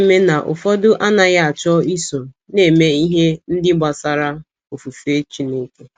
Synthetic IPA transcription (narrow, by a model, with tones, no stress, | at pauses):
me˦na˨ʔʊ̰˨fɔ˦dʊ˦ʔa˦na˨ja˦a˨t͡ʃɔ˦i˦so˨ | ne˨me˦i˦ɦe˦n̩˦dɪ˦ɡ͡ba˨sa˨ɾa˦ | o˨fu˨fe˦t͡ʃi˦ne˦ke˦